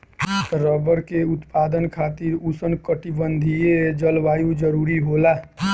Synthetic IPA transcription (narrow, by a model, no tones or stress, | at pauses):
t̪ɾəbəɾkeʊt̪paːd̪ənkʰaːt̪iɾusənkəʈibənd̪ʱijed͡ʒəlʋaːjũd͡ʒəɾuɾiɦolaː